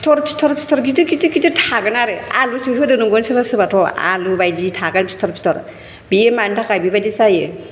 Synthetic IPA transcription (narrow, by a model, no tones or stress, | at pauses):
stʰɔɾpʰi̥stʰɔɾpʰi̥stʰɔɾɡitɯkitikitetʰaɡɯnaɾɯalusiɦudɯnuŋɡɔnsibasɯbatʰɔa̰lubajditʰaɡanpʰi̥stʰɔɾpʰi̥stʰɔɾ | biemantʰakajbibajdisaje